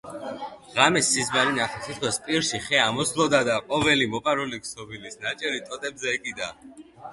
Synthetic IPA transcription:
ʁamɛsːizmaɾinaχɛsʰit̪ʰkʰwɛspʼiɾʃiχɛamɔslˠɔd̪ad̪aqʼɔvɛlimɔpʼaɾuliksɔbilisnat͡ʃʼɛɾit̪ʼɔt̪ʼɛbzɛːkʼid̪a̰

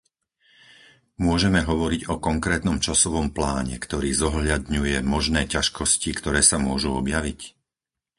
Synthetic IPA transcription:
mʊɔʒɛmɛɦɔʋɔɾiɟɔkɔŋkɾɛːt̪nɔmt͡ʃasɔʋɔmplaːɲɛ̰kt̪ɔɾiːzɔɦʎad̪ɲujɛmɔʒnɛːcaʃkɔscikt̪ɔɾɛːsamʊɔʒuɔbjaʋic

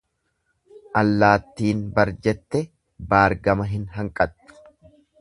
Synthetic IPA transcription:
ʔɐlːaːt̪ːiːnbɐɾd͡ʒɛt̪ːɛ | baːɾɡɐmɐɦɪnɦɐŋkʼɐt̪ːʊ̥

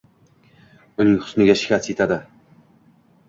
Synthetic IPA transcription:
ʊnɪŋχʊ̥snɪɡʲaʃɪ̥kʲʰasjet̪ʰad̪ɪ

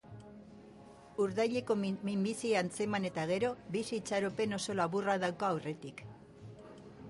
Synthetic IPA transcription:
uɾðajʎe̞ko̞mimbisiant͡se̞mane̞t̪aɣ̞e̞ɾo̞βisiːt͡saɾope̞no̞so̞laβuraðawkaawre̞t̪ik

